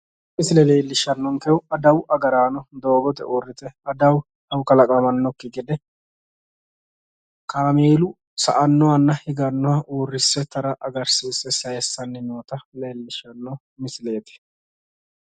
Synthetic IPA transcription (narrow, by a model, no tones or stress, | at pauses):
mɪsɪlɛle̞ːlːɪʃɐnːɔŋkɛwɐd̪ɐwʔɐɡɐɾaːnɔd̪o̞ːɡɔt̪ɛ̰ʔoːrːɪt̪ɛɐd̪ɐw | hɐwkɐlɐkʼɐmɐnːɔkːɪɡɪd̪ɛ | kaːmeːlʊ | sɐ̰ʔɐnːɔwɐnːɐhɪɡɐnːɔwɐʔoːrːɪsːɛt̪ɐɾɐʔɐɡɐɾsiːsːɛsɐjɛsːɐnːɪmoːt̪ɐleːlːɪʃɐnːɔ | mɪsɪle̞ːt̪ɛ̥